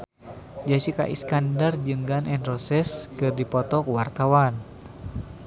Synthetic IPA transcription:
d͡ʒasika̰ʔḭskandard͡ʒɨŋɡanʔɛnrɔsɛskɨrdipɔt̪ɔkuwart̪awan

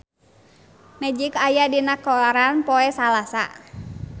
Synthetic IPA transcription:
mɛd͡ʒikajadinakɔɾanpɔɛsalasa̰

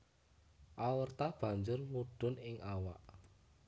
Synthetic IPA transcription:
ʔawərt̪ab̥a̤ɲd͡ʒʊrwuɖ̥ʊ̤nɪŋʔawa̰ʔ

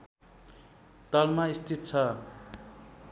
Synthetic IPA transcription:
t̪ʌlmaist̪ʰit̪̚t͡sʰʌ

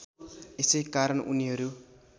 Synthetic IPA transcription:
esʌjkaɾʌnʔṵniɦʌɾu

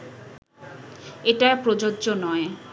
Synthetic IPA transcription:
eʈapɾod͡ʑoːʑonɔe

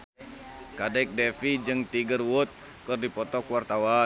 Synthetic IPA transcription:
kadɛk̚dɛfid͡ʒɨŋt̪iɡərwʊt̪̚ | kərdipɔt̪ɔkuwart̪awa

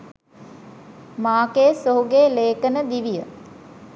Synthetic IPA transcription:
maːkeːsoɦuɡeːleːkənəd̪iʋijə

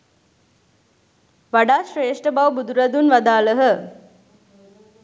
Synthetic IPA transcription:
ʋaɖaːʃɾeːʂʈəbawbud̪uɾad̪unʋad̪aːləɦə

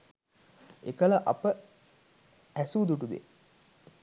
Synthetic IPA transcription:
ekəlɐʔɐpə | æsuːd̪uʈud̪ḛ

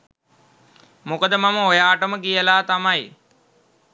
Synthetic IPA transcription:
mokəd̪əmaməojaːʈəməkijəlaːt̪amaj

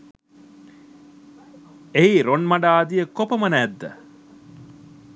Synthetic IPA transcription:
eiɾonmɐɖaːd̪ijəkopɐmɐnæːd̪ːə̰

